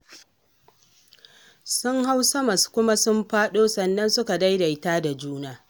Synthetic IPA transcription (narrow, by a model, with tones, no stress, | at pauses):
sʊ˦ŋha˦wsɐ˦mɐ˨skʷʊ˦ma˦sʊ˦mɸaː˦ɗoː˦sɐ˨nːɐ˦nsʊ˦ka˨da˦jda˨ʔɪ˦taː˦da˨d͡ʒuː˦naː˨